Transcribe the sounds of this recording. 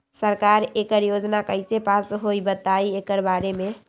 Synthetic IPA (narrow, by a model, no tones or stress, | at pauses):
səɾkaɾekəɾjod͡ʒnakəɪsepasɦojbət̪aiekəɾbaɾeme